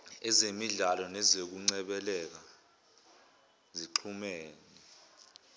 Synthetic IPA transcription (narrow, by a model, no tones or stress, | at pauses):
ɛzemiɮalɔnɛzek̬uŋ͡ǀɛɓɛlɛk̬a | ziǃʰumeːni